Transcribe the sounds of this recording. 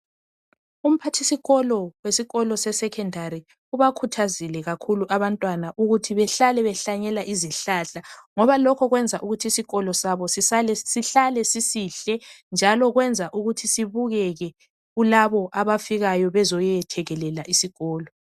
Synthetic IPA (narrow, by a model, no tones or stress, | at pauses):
um̩pʰatʰisiɣɔlɔwesiɣɔlɔsɛsɛkʰɛndʱaɾi | uβakʰutʰazilɛɣakʰuluʔaβantʼwanaʔuɣutʰiβɛɬalɛβɛɬaɲɛlaʔiziɬaɬaŋɔβalɔkʰɔɣwɛnd͡zʱaʔuɣutʰisiɣɔlɔsaβɔsisalɛsiɬalɛsisiɬɛnd͡ʒʱalɔɣwɛnd͡zʱaʔuɣutʰisiβuɣɛɣɛ | ɣulaβɔʔaβafiɣajɔβɛzɔjɛtʰɛɣɛlɛlaʔisiɣɔːlɔ